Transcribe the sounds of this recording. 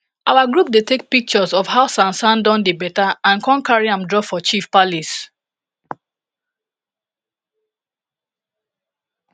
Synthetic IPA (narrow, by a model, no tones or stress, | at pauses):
ʔawaɡɹup̚detek̚pik̚t͡ʃɔzɔfhaʊsãnsãndɔ̃ndebɛtaãnkʰɔ̃nkaɹiãmdɹɔfɔt͡ʃifpalis